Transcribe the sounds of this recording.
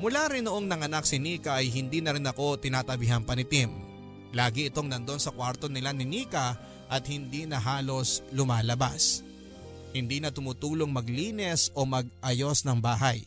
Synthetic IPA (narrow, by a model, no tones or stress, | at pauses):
mʊlaːɾɪnːoʔo̞ŋnɐŋɐnak̚sɪniːkɐʔɐjɦɪnd̪iːnɐɾɪnɐko̞t̪ɪnaːt̪ɐbɪɦɐnpɐnɪt̪im | laːɡɪɪt̪o̞ŋnɐnd̪o̞nsɐkwaɾt̪o̞nɪlanɪniːkɐ | ʔɐt̪̚hɪnd̪iːnɐɦaːlo̞slʊmaːlɐba̰s | hɪnd̪iːnɐt̪ʊmut̪uːlo̞ŋmɐɡliːnɛso̞mɐɡ̚ʔɐjo̞snɐŋbaːɦɐj